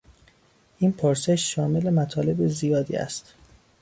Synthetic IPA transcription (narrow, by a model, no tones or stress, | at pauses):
ʔiːnpʰoɾse̞ʃːɒːme̞le̞mæt̪ʰɒːle̞bezijɒːd̪ḭːæ̰st̪